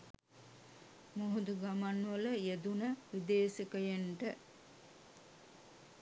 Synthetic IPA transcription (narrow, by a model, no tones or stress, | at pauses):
moɦud̪uɡamanʋələjed̪unəʋid̪eːsikəjeɳʈə